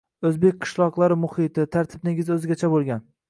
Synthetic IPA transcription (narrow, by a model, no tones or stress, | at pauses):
ɵzbe̞k̚ʲqʰɨ̥ʃlˠɒqlˠaɾɪmʊhɪt̪ʰɪt̪ʰaɾt̪ʰɪb̚nɪŋʲɪzɵzɪɡʲat͡ʃʰabolˠɡʲan